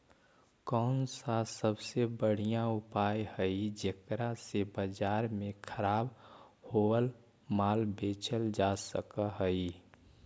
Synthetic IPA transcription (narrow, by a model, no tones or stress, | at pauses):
kɔːnsasəbsebəɽ̤ijãʊpaːjhəid͡ʒekɾasebəd͡ʒaːɾmẽkʰəɾaːb | hoəl | maːlbeːt͡ʃʰəld͡ʒasəkaɦəi